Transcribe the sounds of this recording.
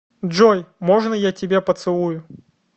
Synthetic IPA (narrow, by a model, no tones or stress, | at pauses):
ʐojmoʐnəjatʲɪbʲepət̪sɨlˠujʊ